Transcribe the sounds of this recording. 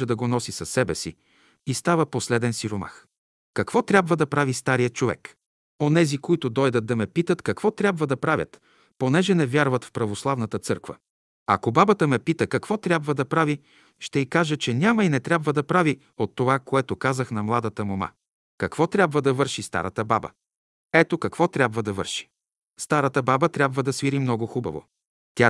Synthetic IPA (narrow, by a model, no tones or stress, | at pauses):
ɛd̪ɐɡonɔsisɐsːɛbɛsḭ | ist̪avəposlɛd̪ɛnsiɾoma̰x | kɐkvɔt̪ɾʲabvəd̪ɐpɾavist̪aɾijət͡ʃovɛ̰k | onɛzikoit̪ʊd̪ɔjd̪ət̪̚d̪ɐmɛpit̪ət̪kɐkvɔt̪ɾʲabvəd̪ɐpɾavʲjə̰t̪ | ponɛʒɛnɛvʲjaɾvət̪fpɾɐvoslˠavnət̪ət̪sɤɾkvə̰ | ɐ̰kobabət̪əmɛpit̪əkɐkvɔt̪ɾʲabvəd̪ɐpɾavi | ʃt̪ɛikaʒət͡ʃɛnʲaməinɛt̪ɾʲabvəd̪ɐpɾavi | ot̪ːovakoɛt̪okazəxnɐmlˠad̪ət̪əmoma̰ | kɐkvɔt̪ɾʲabvəd̪ɐvɤɾʃist̪a̰ɾət̪əba̰bə̰ | ɛt̪okɐkv̥ɔt̪ɾʲabvəd̪ɐvɤ̰ɾʃi̥ | st̪aɾət̪əbabət̪ɾʲabvəd̪ɐsviɾimnɔɡoxubə̰vo̰ | t̪ʲa